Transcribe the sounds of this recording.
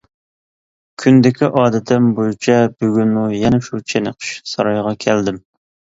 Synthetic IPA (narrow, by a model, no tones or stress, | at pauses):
kʲʰynd̪ɪkʲʰiʔɑːd̪ɛt̪ʰɪnbojut͡ʃʰɛbyɡʲynmujɛnɛʃut͡ʃʰenɪqʰə̥ʃsɑɾɑjʁɑkʲʰæld̪ɪm